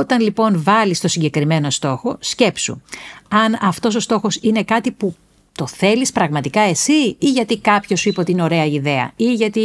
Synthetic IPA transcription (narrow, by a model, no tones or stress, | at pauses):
ot̪ɐnlipo̞nvɐlist̪o̞siɲɟe̞kɾime̞no̞st̪o̞xo̞sce̞psṵɐnɐft̪o̞s̬o̞st̪o̞xo̞sine̞kɐt̪ipu | t̪o̞θe̞lispɾɐɣmɐt̪ikɐe̞siiʝɐt̪ikɐpço̞suipot̪ino̞ɾe̞ɐiðe̞ɐ̰iʝɐt̪i